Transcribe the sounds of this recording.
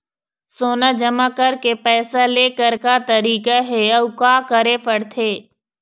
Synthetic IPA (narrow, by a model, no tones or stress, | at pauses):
soːnad͡ʒɐmakəɾkepɛːsaleːkəɾkat̪ɐɾiːkaɦeɐʋkaːkəɾepəɽt̪ʰeː